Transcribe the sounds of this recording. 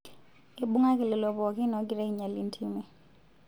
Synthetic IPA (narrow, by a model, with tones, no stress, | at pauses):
e˨ɓu˦ŋa˦kɪ˨lɪ˨lɔ˨bɔ˨ki˦nɔ˨˦ɡi˨ɾɛ˦i˨ɲa˨li˦ntʰi˦mɛ˦